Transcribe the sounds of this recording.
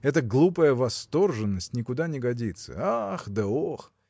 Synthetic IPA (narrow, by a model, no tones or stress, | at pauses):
ɛt̪əɡlˠupəjəvɐst̪o̞rʐɨnːəsʲtʲnʲɪkʊd̪anʲɪɡɐdʲit̪sə̰axd̪əox